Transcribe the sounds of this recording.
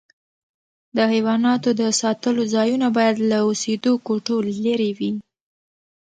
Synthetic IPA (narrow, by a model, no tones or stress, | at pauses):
d̪əɦajwɑnɑt̪od̪əsɑt̪əlozɑjunabɑjad̪laosed̪okoʈolːəɾewi